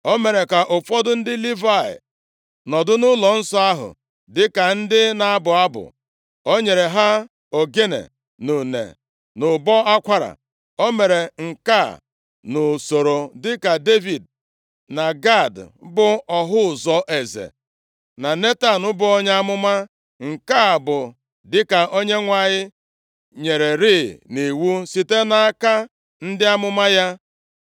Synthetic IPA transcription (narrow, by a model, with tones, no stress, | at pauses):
o˦me˨ɾe˨ka˨ʔʊ˨fɔ˦dʊ˦n̩˦dɪ˦li˦va˦˨ɪ̰˨ | nɔ˨dʊ˦nʊ˦lɔ˨n̩˦sɔ˦a˦ɦʊ̰˨ | dɪ˦ka˨n̩˦dɪ˦na˨a˦bʊ˨a˦bʊ̰˨ | o˦ɲe˨ɾe˨ɦa˦ | o˨ɡe˦nḛ˨ | nu˨nḛ˨ | nʊ˨bɔ˦a˦kʷa˦ɾa̰˨ | o˦me˨ɾe˨ŋ̩˨ka˦˨ | nʊ˨so˨ɾo˨dɪ˦ka˨de˦vi˨d̚ | na˨ɡa˦˨dbʊ˦ɔ˨ɦʊ˦˨zɔ˦ʔe˨zḛ˨ | na˨ne˦ta˨nʊ˦bʊ˨o˦ɲ˦a˦mʊ˦ma˦ | ŋ̩˨ka˦˨bʊ˨ | dɪ˦ka˨ʔo˦ɲe˦ŋʷa˨ɲɪ˦ | ɲe˨ɾe˨ɾiː˦ne˨wu˦si˨te˦na˨a˦ka˦ | n̩˦dɪ˦a˦mʊ˦ma˦ja˦